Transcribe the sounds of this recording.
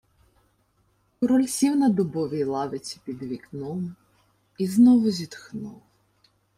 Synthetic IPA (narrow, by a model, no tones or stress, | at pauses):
kɔɾɔlʲsʲiwnɐd̪ɔbɔʋʲijlˠɑʋɪt͡sʲi̥pʲid̪ʋʲiknɔm | iznɔʋʊzʲit̪xnuw